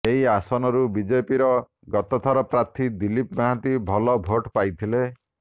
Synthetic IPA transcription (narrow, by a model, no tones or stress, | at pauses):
eɦiasɔnɔɾubid͡ʒepiɾɔ | ɡɔt̪ɔt̪ʰaɾɔpɾat̪ʰid̪ilipmaɦat̪ibʱɔlɔbʱoʈpajt̪ʰile